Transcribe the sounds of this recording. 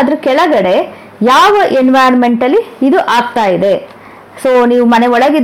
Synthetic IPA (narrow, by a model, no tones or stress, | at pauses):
d̪ɐɾukɛɭɐɡɐɽe̞ | jaːʋɐʔenʋajɐnme̞ɳʈɐlːiːd̪uʔaːɡt̪aːjid̪e̞ | soːniːʋumɐne̞ɔɭɐɡid̪